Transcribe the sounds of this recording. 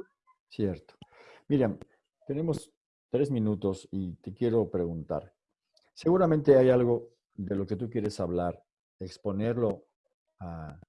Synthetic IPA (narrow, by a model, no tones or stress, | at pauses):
sje̞ɾt̪o̥miɾjam | t̪e̞ne̞mo̞s | t̪ɾe̞zmĩnut̪o̞sit̪e̞kje̞ɾo̞pɾe̞ɣunt̪a̰ɾ | se̞ɣuɾamẽnt̪e̞ajalɣo̞ | ðe̞lo̞ke̞t̪̬uk̬je̞ɾe̞saβlaɾ | e̞kspo̞ne̞ɾlo̞ | a